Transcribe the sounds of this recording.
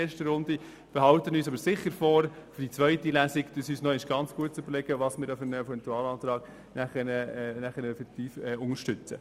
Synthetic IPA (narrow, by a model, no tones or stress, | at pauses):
eːʃtəɾʊnd̪i | fəɾɦɑwt̪ənyːs̬ɑbəɾsɪχːəɾfɔːɾfd̥it͡sʋœʏtilæsikd̪̥əsyːsnɔɪɪʃɡ̥ɑnt͡sɡ̥uət̚t͡sʏbəɾlɛɡ̥əʋɑsmɪɾɛfənɛfɛnt̪uɑːlɑːt̪ɾɑːɡ | nʔæχɛnənæχənɛfɛkt̪iːfɛːʊŋəɾʃtʏt͡sə̰